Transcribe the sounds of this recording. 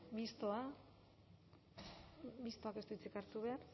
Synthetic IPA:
mist̪oa | mist̪o̞ake̞st̪uit͡sikaɾt̪uβe̞ar

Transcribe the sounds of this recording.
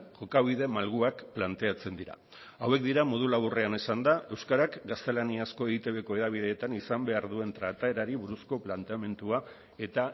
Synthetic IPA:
ʝo̞kaβið̞e̞malɣuakplant̪e̞at͡se̞nd̪iɾa̰ | awe̞kd̪iɾamo̞ð̞ulaβure̞ane̞sand̪aʔe̞wskaɾakɡast̪e̞laniasko̞e̞ɣit̪e̞βe̞ko̞e̞ðaβ̞iðe̞ːt̪anisambe̞aɾðue̞nt̪ɾat̪aeɾaɾiβuɾusko̞plant̪e̞ame̞nt̪ua | e̞t̪a

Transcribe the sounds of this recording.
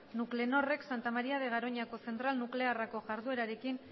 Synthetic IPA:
nukle̞no̞re̞ksant̪amaɾiaðe̞ɣ̞aɾo̞ɲako̞se̞nt̪ɾalnukle̞arako̞ʝaɾðue̞ɾaɾe̞kin

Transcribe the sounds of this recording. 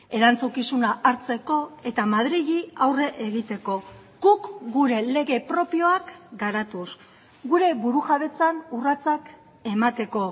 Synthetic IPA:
e̞ɾant͡sukisunaʔaɾt͡se̞ko̞e̞t̪amaðɾiʎiawre̞ʔeɣit̪e̞ko̞ | ɡ̥ukɡuɾe̞le̞ɣe̞pɾo̞pio̞akɡaɾat̪us | ɡuɾe̞βuɾuʝaβe̞t͡sanurat͡sak | e̞mat̪e̞ko̞

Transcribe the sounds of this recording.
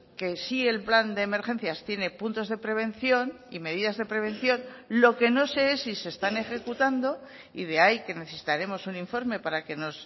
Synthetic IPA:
ke̞sie̞lpland̪e̞ːme̞ɾχe̞nθjast̪je̞ne̞punt̪o̞zðe̞pɾe̞β̞e̞nθjo̞n | ime̞ðiðazðe̞pɾe̞β̞ẽ̞n̟θjo̞nlo̞ke̞no̞se̞esise̞st̪ane̞xe̞kut̪and̪o̞ | ḭð̞e̞aike̞ne̞θe̞si̥t̪aɾe̞mo̞suniɱfo̞ɾme̞paɾake̞no̞s

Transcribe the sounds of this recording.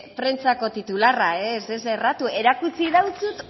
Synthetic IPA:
pɾe̞nt͡sako̞t̪it̪ularaeseserat̪ue̞ɾakut͡siðawt͡sut̪

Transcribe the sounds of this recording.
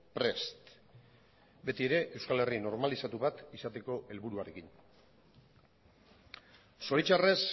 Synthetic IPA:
pɾe̞st̪ | be̞t̪ie̞ɾe̞ʔe̞wskale̞rino̞ɾmalisat̪uβat̪isat̪e̞ko̞ʔe̞lβuɾuaɾe̞kin | so̞ɾit͡ʃare̞s

